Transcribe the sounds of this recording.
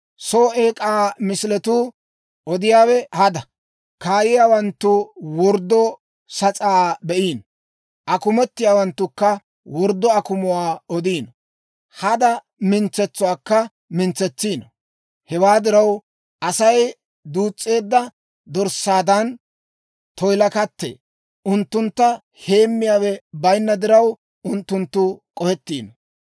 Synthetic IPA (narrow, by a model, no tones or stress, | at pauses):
soːʔeːkʼaːmɪsɪlɛt̪uː | ʔɔd̪ɪjaːwɛhɐd̪ɐ | kaːjɪjaːwɐnt̪ːʊwɔɾd̪ːɔ | sɐt͡sʼaːbɛʔiːn | ʔɐkʊmɛt̪ːɪjaːwɐnt̪ːʊkːɐ | wɔɾd̪ːɔɐkʊmʊwaːɔd̪iːnɔ | hɐd̪ɐ | mɪnt͡sɛt͡sːʊwaːkːɐ | mɪnt͡sːɛt͡sːiːnɔ | hɛwaːd̪ɪɾɐw | ɐsɐj | d̪uːt͡sʼːe̞ːd̪ːɐ | d̪ɔɾsːaːd̪ɐn | t̪ɔjlɐkɐt̪ːḛː | ʔʊnt̪ːʊnt̪ːɐ | he̞ːmːɪjaːwɛbɐjnːɐd̪ɪɾɐw | ʊnt̪ːʊnt̪ːʊkʼɔhɛt̪ːḭːnɔ